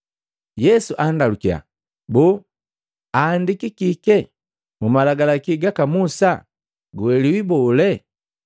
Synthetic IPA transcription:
jɛsuʔandalukia̰ | bu | aːndikikikɛ | mumalaɡalakiɡakamusa | ɡuwɛliwibɔlɛ

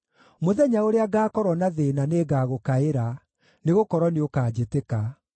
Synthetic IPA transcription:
moðɛɲaoɾeaɡaːkɔɾwɔnaðeːnaneɡaɣokaeɾa | neɣokɔɾwɔneokaːd͡ʑeteka

